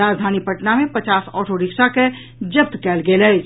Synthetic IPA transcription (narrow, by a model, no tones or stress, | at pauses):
aːd͡ʒd̪ʱaːnipəʈnamẽpət͡ʃaːsɔ̰ːʈoɾɪkʃake | d͡ʒəp̚t̪kɛːlɡeːlɛː